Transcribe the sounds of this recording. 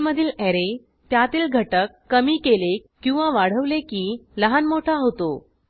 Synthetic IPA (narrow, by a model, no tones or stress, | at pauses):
məd̪ʱiːleɾe | t̪jat̪iːlɡʱəʈəkːəmiːkelekːĩw̃ʋaʋaɽ̤əʋlekiːləɦanmoʈʰaɦot̪o